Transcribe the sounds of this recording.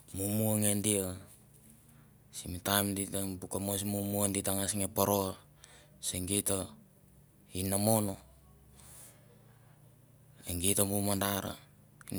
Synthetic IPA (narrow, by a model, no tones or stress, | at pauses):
mumuaŋendia | simitamditapukamosimumuanditaŋasŋepoɾoa | seŋɡeta | inːamo̞no | eŋɡitamumandaɾa̰